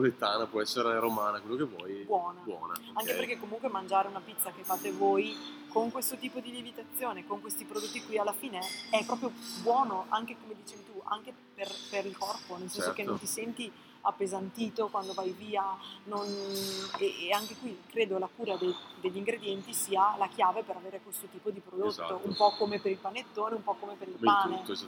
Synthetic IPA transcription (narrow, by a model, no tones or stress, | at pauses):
olet̪ːaːnapwɔɛsːeɾeɾomaːnakwelːokevɔ̰jbwɔːnabwɔ̰ːna̰aŋkepeɾrkekːomuŋkwemand͡ʒaːɾeunapit̪sːakefːaːt̪evoːj | koŋkwest̪ot̪iːpod̪ilivit̪at̪sːjoːnekoŋkwest̪ipɾod̪ot̪ːikwialːafiːneɛpːɾɔːpɾjobwɔːnoʔaŋk̟ekomed̪iːt͡ʃɛvit̪ua̰ŋke | perpeɾilkɔrponelsɛnsokenːont̪isɛnt̪i | apːezant̪iːt̪okwand̪ovajviːanon | eaŋkekwikɾeːd̪olakuːɾad̪ed̪eʎːiŋɡɾed̪jɛnt̪isiːalakjaːvepeɾaveːɾekwest̪ot̪iːpod̪ipɾod̪ot̪ːoʔumpɔkomepeɾilpanet̪ːoːneumpɔkːomepeɾilpaːne